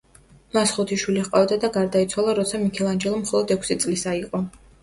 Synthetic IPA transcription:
masχɔt̪ʰiʃwiliqʼavd̪ad̪aɡaɾd̪ait̪sʰwalˠaɾɔt̪sʰamikʰɛlˠand͡ʒɛlˠɔmχɔlˠɔd̪ɛkʰʷsit̪sʼlisaiqʼɔ

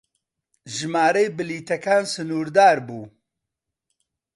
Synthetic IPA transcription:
ʒɨmaːɾejbɨliːt̪ʰɐkaːnsɨnuːɾd̪aːɾbuː

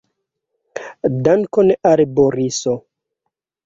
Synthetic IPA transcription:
dankoneʔaɾeboɾiso

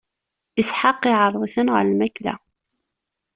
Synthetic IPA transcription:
isħɑqːiʕərˤðˤiθənʁə̰ɾlmæklæ̰

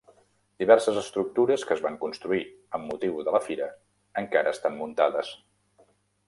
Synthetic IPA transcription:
d̪iβɛrsəzəst̪ɾuk̚t̪uɾəskəzβaŋkunst̪ɾui | əmːut̪iwðələfiɾə | əŋkaɾʔəːst̪ammunt̪aðəs

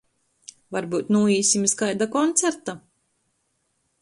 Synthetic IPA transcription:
vaɾbuːt̪nuːiːsʲimʲiskajd̪akɔnt̪sɛɾt̪a

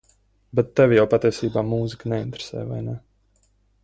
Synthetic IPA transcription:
bɛt̪ːɛvʲijawpat̪iɛsiːbaːmuːziknɛint̪ɾe̥sɛ̰ːjva̰jnɛ

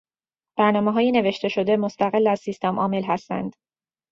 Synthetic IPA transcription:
b̥æɾnɒːmeɦɒːjene̞ve̞ʃt̪e̞ʃo̞d̪e̞mo̞st̪æɣelːæzsist̪emʔɒ̰ːme̞lɦæst̪æ̰nd̪̥

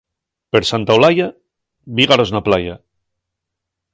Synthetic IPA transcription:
peɾsant̪aolaja | βiɣaɾoznaplaja̰

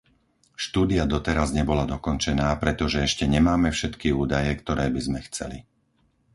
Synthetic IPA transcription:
ʃt̪uːd̪iad̪ɔt̪ɛɾazɲɛbɔlad̪ɔkɔnt͡ʃɛnaːpɾɛt̪ɔʒɛɛʃcɛɲɛmaːmɛfʃɛt̪kiuːd̪ajɛkt̪ɔɾɛːbizmɛxt͡sɛ̰li

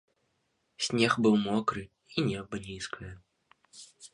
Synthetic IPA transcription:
sʲnʲɛxbɨwmɔkɾɨ | inʲɛbɐnʲiskʰɐjɐ

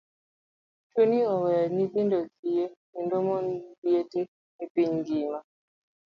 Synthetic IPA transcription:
t͡ʃoniɔwɛanitindokijenindɔmɔndiete | nipiɲɡima

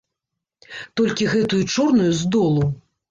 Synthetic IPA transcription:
t̪ɔlʲkʲiɣɛt̪ujut͡ʂɔrnujuzd̪ɔlˠu

